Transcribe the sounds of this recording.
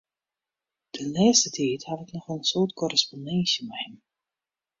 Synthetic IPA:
d̥ənlɛːstətʰiːthatɪknɔχənsʊːtkɔrəspondɛnsjəmɛhɛm

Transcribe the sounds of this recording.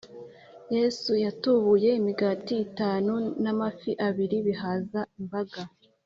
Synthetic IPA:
jesujatuβuje̞imiɡatiːtaːnunamafiʔaβiɾiβiɦaːzaimbaɡa

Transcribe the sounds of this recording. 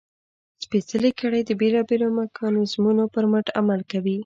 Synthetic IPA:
spesəlekəɽajd̪əbelɑbelomakʰɑnezmunopəɾməʈa̰malkawi

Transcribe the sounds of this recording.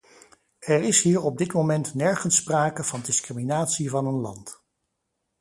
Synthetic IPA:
ɛrɪsɦiːɹɔb̚dɪtmomɛntnɛɹχənspraːkəv̥ɑndɪskriminaːtsivɑnənlɑ̰nt

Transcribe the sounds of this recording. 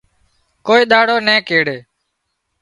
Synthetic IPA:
koːiːɗ̪aːɽoːnɛ̃ːkeːɽeː

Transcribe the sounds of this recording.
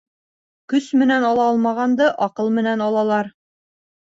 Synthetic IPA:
kɵsmɘ̆nænɑlˠɑɒlˠmɑʁɑnd̪ɤʔɒqɤlˠmɘ̆nænɑlˠɑlˠɑɾ

